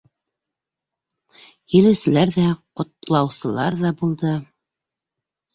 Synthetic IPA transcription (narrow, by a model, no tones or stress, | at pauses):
kilɘ̆wsɘ̆læɾðæqŏt̪lˠɑwsɤ̆lˠɑɾðɑbulˠd̪ɤ